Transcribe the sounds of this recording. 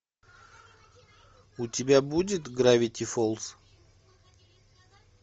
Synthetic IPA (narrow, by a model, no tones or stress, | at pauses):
ʊtʲɪbʲabudʲɪt̪ɡɾavʲɪtʲɪfolˠs